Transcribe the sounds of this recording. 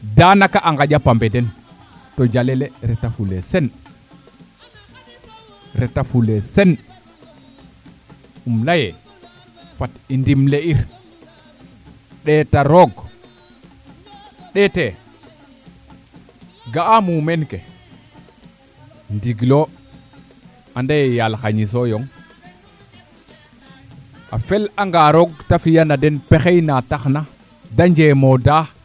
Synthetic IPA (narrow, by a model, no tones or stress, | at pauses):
danakaʔaŋɡad͡ʒapambɛdɛn | tɔd͡ʒalɛlɛɾɛtafulɛsɛn | ɾɛtafulɛsɛn | umlajɛ | fatindimleiɾ | ɗɛtaɾɔɡ | ɗete | ɡaamumenke | ndiɡlo | andajejalxaɲisojoŋ | a̰felaŋɡaɾoɡtafijanadenpexejnataxna | daɲd͡ʒemoda